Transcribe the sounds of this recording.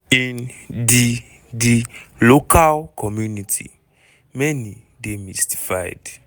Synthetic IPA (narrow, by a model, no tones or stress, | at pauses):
ĩndi | dilokʰalkʰɔmjunitʰḭ | mɛni | demisti̥fajd̥